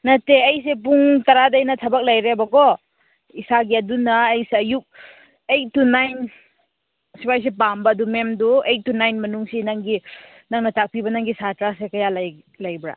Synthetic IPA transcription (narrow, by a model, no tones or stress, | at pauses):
nɐtːeɐjs̬ep̬uŋtɐɾadɐjnɐtʰɐbɐk̚lɐjɾebɐɡɔ | isaɡiɐdunɐːjseɐjuk̚ | ejt̚ːunajn | sipajs̬epambɐːdumemduejt̚ːunajnmɐnuŋsinaŋɡi | naŋnɐtak̚pibɐnaŋɡisatɾasekɐjalaj | lɐjbɾa̰